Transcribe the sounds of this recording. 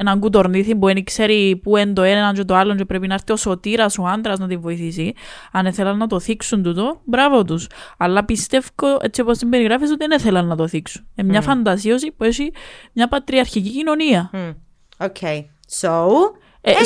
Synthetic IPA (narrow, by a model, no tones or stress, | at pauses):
enɐŋɡut̪̬o̞ɾniθimbuenikse̞ɾipuend̪oenɐnt͡ʃot̪oɐlːoncepɾepinɐeɾθio̞so̞t̪iɾɐsuɐnd̪ɾɐznɐt̪iɱvo̞iθisiɐne̞θelɐnːɐt̪o̞θiksunt̪ut̪o̞bɾɐvo̞t̪usɐlːɐpist̪e̞fkoʔet͡sːipost̪imbeɾiɣɾɐfis̬ot̪ineθelɐnːɐt̪o̞θiksunemɲɐfɐnd̪ɐsio̞sipuesimɲɐpɐt̪ɾiɐɾçicicino̞niɐ | okʰej | so | e